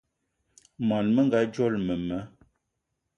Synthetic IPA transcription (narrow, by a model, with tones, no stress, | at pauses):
mɔ˨nmə˦ŋ˦ɡa˨˦d͡ʒɔ˦lmə˨mə˨˦